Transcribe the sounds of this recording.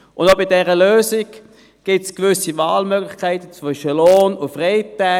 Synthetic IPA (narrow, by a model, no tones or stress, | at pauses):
ʔʊndobɪdɛʁəløːzɪɡ | ɡ̥ɪtskvʏsivaːlmøːɡlɪχkʰaɪtət͡svʏʃəloːnʊnfʁeɪtɛ